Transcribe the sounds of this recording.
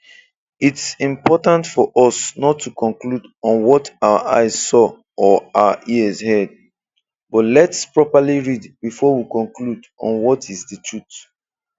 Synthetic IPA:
itsĩmpɔtãntfɔʔɔsnɔtʰːukɔ̃nkludɔ̃nwɔtawə̰ʔa̰ɪz̥sɔ | ɔawəʔiəzhɛd̚ | bɔtlɛtspɹɔpaliɹidbifɔwikɔ̃nklud | ɔ̰̃nwɔtʰĩsditʰut

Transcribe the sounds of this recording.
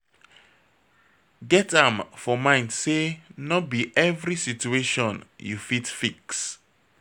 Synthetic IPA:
ɡɛtãmfɔmãɪ̃ndsenɔbiʔɛvɾisitueʃɔ̃njṵfitfiks

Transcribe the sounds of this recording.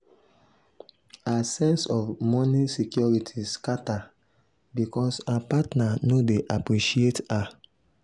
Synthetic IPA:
asɛ̃nsɔfmɔnisikjɔɹitʰiskata | bikɔsaapatnanodeʔapɹiʃieta

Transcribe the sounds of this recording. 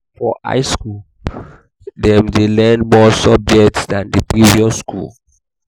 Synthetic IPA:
fɔʔa̰ɪskul | dɛ̃mdelɛ̃ndmɔsɔb̚d͡ʒɛk̚tsdãndipɹiviɔskʰṵl

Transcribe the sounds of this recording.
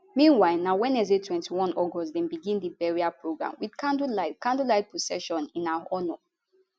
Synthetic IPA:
mĩnwaɪlnawɛ̃nɛzetʰwɛ̃ntiwɔ̃nɔɡɔstdɛ̃nbiɡĩndibɛɹiapɹoɡɹã̰mwid̥kʰãndulakãndulaɪt̚pʰɔsɛ̰ʃɔ̃nĩnaaɔnɔ

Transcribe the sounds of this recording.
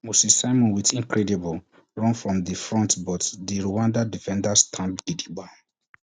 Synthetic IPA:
musisaɪmɔ̃nwitĩŋkɹɛdibɔl | ɹɔ̃nfɹɔ̃mðifɹɔ̃ntbɔtdiɹuwãndadifɛ̃ndastʰãmɡ̥idiba

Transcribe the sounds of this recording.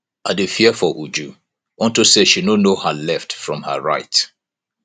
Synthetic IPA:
adufiɛfɔʔud͡ʒu | ɔ̃ntuseʃinonohalɛftfɹɔ̃mha̰ɹaɪt

